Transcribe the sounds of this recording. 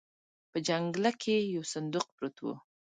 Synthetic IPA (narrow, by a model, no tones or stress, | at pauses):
pəd͡ʒaŋɡlakʰejawsʊnd̪ʊq̚pɾot̪wṵ